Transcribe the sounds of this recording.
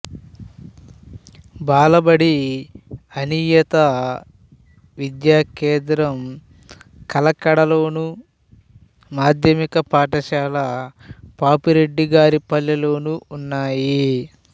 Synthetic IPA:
baːlɐbɐɽi | ɐniːjɐt̪ɐ | ʋid̪jaːkɛːnd̪ɾɐm | kɐlɐkɐɽɐlo̞ːnu | maːd̪ʱjɐmikɐpaːʈɐʃaːlɐpaːpuɾe̞ɖːiɡaːɾipɐlːɐlo̞ːnuunːaːji

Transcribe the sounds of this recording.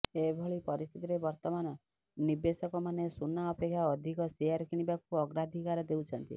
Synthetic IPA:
ebʱoɭipɔɾist̪ʰit̪iɾebɔɾt̪ɔmanɔ | nibesɔkɔmanesunːaɔpekʰːjaɔd̪ʱikɔsiaɾkʰiɽ̃ibakuɔɡɾad̪ʱikaɾɔd̪ewt͡ʃʰɔnt̪ḭ

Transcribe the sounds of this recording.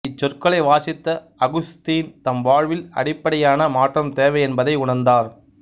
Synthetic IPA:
ɪt͡ʃːɔrkɐɭɐɪʋaːsɪt̪ːɐ | ɐɣʊst̪iːnt̪ɐmʋaːɻʋɪlɐ̰ɽɪpːɐɽɐjaːnɐmaːʈrɐmt̪eːʋɐɪɛnbɐðɐɪʊɳɐnd̪aːɾ

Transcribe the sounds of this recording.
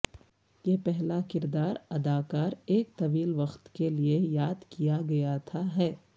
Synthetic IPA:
jeːpɛɦlakɪɾd̪aːɾɐd̪aːkaːɾeːk̚t̪ɐʋiːlʋɐxt̪keliejaːd̪kijaɡɐjat̪ʰaɦɛː

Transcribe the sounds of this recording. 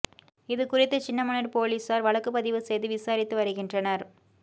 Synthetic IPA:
ɪðɯkʊrɪt̪ːɐt͡ʃɪnːɐmɐɳɐɾpoːliːsaːɾʋɐɭɐkːɯp̬ːɐðɪʋɯsɛjðɯʋɪsaːɾɪt̪ːɯʋɐɾɯɣɪndrɐnɐɾ

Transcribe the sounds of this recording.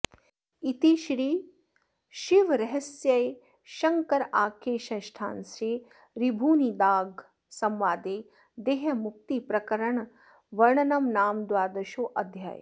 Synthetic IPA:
it̪iʃɾiː | ʃiʋɾɐɦɐsjɐj | ʃɐŋkɐɾaːkeːʃɐʃʈʰa̰ːnsɾiː | ɾibʱuːnid̪aːɡ | sɐmʋaːd̪eː | d̪eːɦɐmuk̚t̪ipɾɐkɐɾɐɳ | ʋɐɾɳɐnɐmnaːmd̪ʋaːɾd̪ɐʃuːʔɐd̪ʱja̰ːj̰

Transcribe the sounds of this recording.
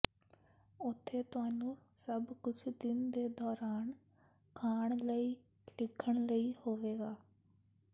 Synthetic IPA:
ʊt̪ʰːeːt̪ʊaːnũːsəbkʊt͡ʃʰd̪ɪnd̪eːd̪ɔːɾaːn | kʰaːɳləiː | lɪkʰːəɳləiːhoːʋeːɡaː

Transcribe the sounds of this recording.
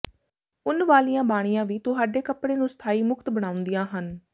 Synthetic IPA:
ʊnʋaːlijãːbaːɽ̃ijãːʋiːt̪ʊɦaːɖeːkəpɽeːnũːst̪ʰaːiːmʊkt̪bəɽ̃ãːʊ̃nd̪ijãːɦən

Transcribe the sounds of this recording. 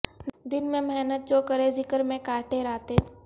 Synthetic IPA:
d̪ɪnmẽmɛɦnət̪̚t͡ʃoːkəɾezɪkəɾmẽkaːʈʰeɾaːt̪e

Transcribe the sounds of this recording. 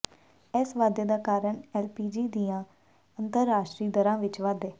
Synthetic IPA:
ɛːsʋaːd̪eːd̪aːkaːɾəɳɛːlpiːd͡ʒiːd̪ijãː | ənt̪əɾːaːʃʈɾiːd̪əɾãːʋɪt͡ʃʋaːd̪eː

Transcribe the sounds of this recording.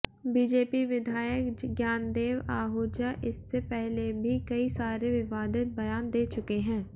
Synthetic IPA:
biːd͡ʒeːpiʋɪd̪ʱaːjəkɡjaːnd̪eːʋaːɦoːd͡ʒaʔɪsːepɛɦlebʱikɐisaːɾeʋɪʋaːd̪ɪt̪̚bɐjaːnd̪eːt͡ʃʊkeɦɛ̃ː

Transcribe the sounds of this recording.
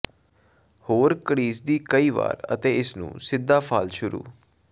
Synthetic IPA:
hoːɾkəɽiːsd̪iːkəiːʋa̰ːɾə̰t̪eːɪsnṵ̃ːsɪd̪ːaːpʰaːlʃʊɾṵː

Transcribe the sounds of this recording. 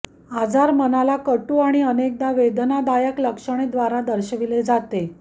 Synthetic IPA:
ad͡zaɾmənalakəʈuːaɽ̃iənek̚d̪aʋed̪nad̪ajəkləkʂəɽ̃ed̪ʋaɾad̪əɾɕəʋiled͡zat̪e

